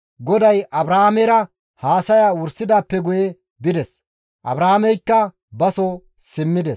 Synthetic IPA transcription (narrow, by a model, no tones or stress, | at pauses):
ɡɔd̪ɐjʔɐbɾaːmɛɾɐ | haːsɐjaːwʊɾsɪd̪aːpːɛɡʊjɛ | bɪd̪ɛs | ʔɐ̰bɾaːmɛjkːɐ | bɐsɔ | sɪmːɪd̪ɛs